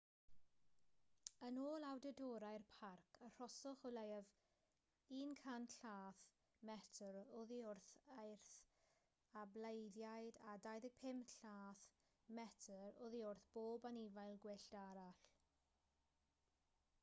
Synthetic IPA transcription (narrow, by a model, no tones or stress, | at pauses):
ənoːlˠawdədɔːɾajrpʰarkʰər̥ɔsɔχɔlejav | iːnkʰanɬaːθ | mɛtʰəɾɔðiʊrθajrθ | ablejðjajdadajðɪɡ̚pʰɪmɬaːθ | mɛtʰəɾɔðiʊrθb̥oːbanivajlˠɡwɪɬd̥aɾaɬ